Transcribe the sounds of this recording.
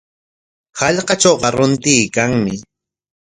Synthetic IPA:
hɑʎqɑt͡ʃowɢɑɾʊnt̪ɪːkaŋmɪ

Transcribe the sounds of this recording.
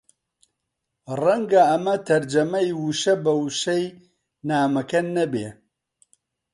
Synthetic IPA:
rɐŋɡɐɐmɐt̪ʰɐɾd͡ʒɐmɐjwuʃɐbɐwuʃɐj | naːmɐkɐnɐbeː

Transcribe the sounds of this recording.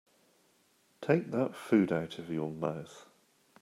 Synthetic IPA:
tʰeɪk̚ðətfʉːdaʊtʰəvjəməʊθ

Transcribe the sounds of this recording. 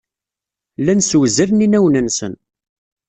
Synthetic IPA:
lænswəzæɾninæwnənsə̰n

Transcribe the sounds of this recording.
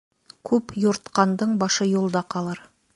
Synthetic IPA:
kʲʰɵpjoɾt̪qɑnd̪əɴbɑʃəjolˠd̪ɑqʰɑlˠɑɾ

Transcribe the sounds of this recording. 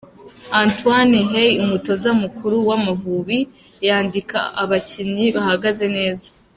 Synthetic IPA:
aːntwaneɦejumuto̞zamukuɾuwamuvuβi | jaːndika̰ʔaβaciɲiβahaɡaze̞ne̞ːzḁ

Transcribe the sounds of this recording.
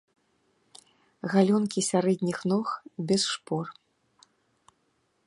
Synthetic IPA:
ɣalʲɔnkʲisʲaɾɛd̪ʲnʲixnɔxbʲɛsʂpɔr

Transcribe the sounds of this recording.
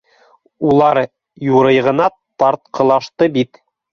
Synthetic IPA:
ulˠɑɾ | juɾɤ̆jʁɤ̆nɑ | t̪ɑɾt̪̚qʰɤ̆lˠɑʃt̪ɤbit̪

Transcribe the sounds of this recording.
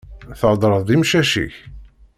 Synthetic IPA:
θəʕd̪ˤɾˤəðˤðimʃæʃḭç

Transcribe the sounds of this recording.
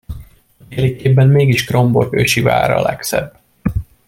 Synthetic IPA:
t̪eːlikeːbːɛmmeːɡiʃkro̞mbo̞køʃiva̰ːɾɒ̰lɛksɛ̰bː

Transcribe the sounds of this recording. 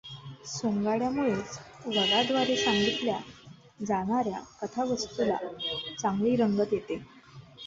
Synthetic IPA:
soŋɡaɽjamuɭet͡sʋəɡad̪ʋaɾesaŋɡit̪lja̰ | d͡zaɽ̃aɾja̰kət̪ʰaʋəst̪ula̰t͡saŋɡɭiːɾəŋɡət̪jet̪e

